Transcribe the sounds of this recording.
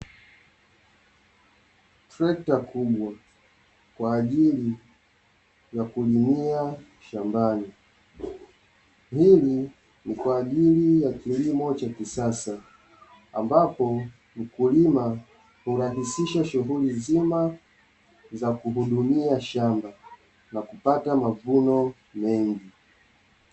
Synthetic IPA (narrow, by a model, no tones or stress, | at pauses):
tɾɛk̚takuɓwa | kwaːʄili | jakulimia | ʃambani | hili | nikwaːʄilijakilimɔt͡ʃakisasa | a̰mbapɔ | m̩kulima | huɾaɦisiʃaʃuɦulizima | zakuɦuɗumiaʃamba | nakupatamavunɔ | mɛŋɡi